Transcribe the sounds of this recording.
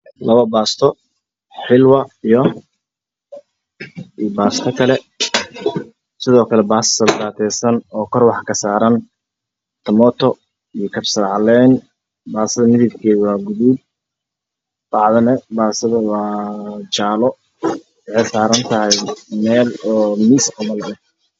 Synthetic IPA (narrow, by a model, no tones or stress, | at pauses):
lɐβɐbaːst̪ʰɔ | ħɪlwɐijɔ | ibaːst̪ʰɐkʰɐlɛ | sɪðɔːkʰɐlɛbaːssɐld̪aːt̪ʰɛːsɐnɔːkʰɔrwɑħkʰɐsaːɾɐn | t̪ʰɐmɔt̪ʰɔ | ijɞkʰɐbsɐɾʕɑlɛn | baːsɐðɐmɪðɪbkʰɛːwɑːɡʊðub̚ | bɑʕðɐnɛbaːsɐðɐwɑːt͡ʃaːlɔ | wɑħɛjsaːɾɐnt̪ʰɐɦɛjmɛːlɔːmiːsʕɑmɐlɛ